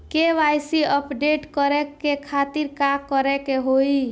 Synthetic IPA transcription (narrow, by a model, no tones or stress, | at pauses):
keʋajsiəpɖeʈkəɾɛkːekʰat̪iɾkakːəɾɛkeɦoi